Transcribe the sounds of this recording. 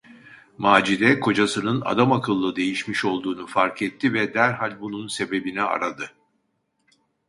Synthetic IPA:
maːd͡ʒid̪ɛkʰo̞d͡ʒasɯnɯna̰d̪amakʰɯlˠːɯd̪e̞jiʃmiʃo̞lˠd̪uːnufaɾkʰɛt̪ʰːivɛd̪æɾɦalʲbununse̞be̞binɛa̰ɾad̪ɯ

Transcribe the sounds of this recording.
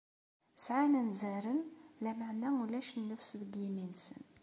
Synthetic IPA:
sʕanænzæɾənlæmaʕnæwlæʃnːəfsbd̪jiminsə̰n

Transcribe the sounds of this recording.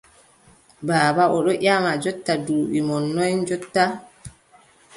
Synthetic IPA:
baːbaʔɔɗɔʔamad͡ʒɔtːaduːɓimɔnːɔjd͡ʒɔtːa

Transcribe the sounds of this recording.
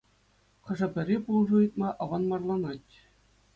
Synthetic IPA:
χɤ̆ʐɤ̆bʲɘ̆rʲepulˠʐɤjɯt̪mɑʔɑʋɑnmɑrlˠɑnɑtʲ

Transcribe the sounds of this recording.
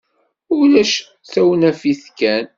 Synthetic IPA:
ʊlæʃ | θæwnæfiθkæn

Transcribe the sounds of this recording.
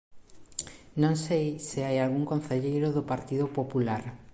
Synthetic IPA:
nõŋsejsɪajalɣuŋkon̟θeʎejɾʊðʊpaɾt̪iðʊpopulaɾ

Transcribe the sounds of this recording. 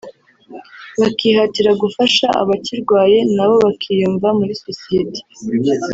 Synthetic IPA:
βakihatiɾaɡufaʃaʔa̰βaciɾɡwaːje̞naβo̞βakʰijuːɱvamuɾisosijete̥

